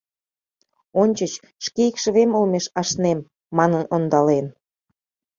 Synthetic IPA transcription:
onʲt͡ɕət͡ɕ | ʃkeikʃə̆βemolmeʃɑʃnemː | ɑnənond̪ɑlen

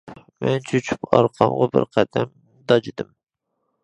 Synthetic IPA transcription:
mɛnt͡ʃʰyt͡ʃʰy̥pʰɑ̰ɾqʰɑmʁɑbɪ̰ɾqʰæd̪̥ɛm | d̪ɑd͡ʒid̪ɨm

